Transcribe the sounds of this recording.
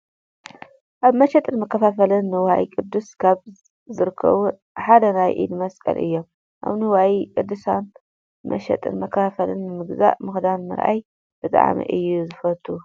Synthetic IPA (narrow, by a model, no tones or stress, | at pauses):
ʔaβmɐʃɛt̪ʼɨnmɐkʰːɐfafɐlɨnːɨwaʔḭkʼɨd̪ːuskʰaβ | zɨɾɨkʰːɐ̰βu | ħad̪ɐnajʔḭd̪mɐskʼɐ̰lʔɨ̰jːo̞m | ʔa̰βnɨwaikʼɨd̪ːusan | mʔɐ̰ʃɛ̰t̪ʼɨ̰nmɐkʰːɐfafɐlɨ̰nːɨmɨɡza̰ʔmɨxd̪anmɨ̰ɾʔa̰j | b̥ɨt̪ʼa̰ʕmḭʔɨjːuzɨfɐt̪ʰːu